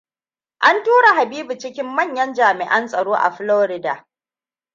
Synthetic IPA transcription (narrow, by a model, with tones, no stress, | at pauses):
ʔa˦ntuː˦ɽa˨ɦa˨biː˦bu˨t͡ʃɪ˦kʲɪ˦mːɐ˦˨ɲjɐ˦nd͡ʒaː˨mɪ˨ʔɐ˦nsʼɐ˨ɽoː˦ʔa̰˨ɸɪ˦loː˦ɾɪ˦da˨